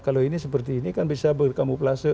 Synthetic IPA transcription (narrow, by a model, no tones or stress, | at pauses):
kaloinisəpərt̪iːnikanbisabərkamupəlasə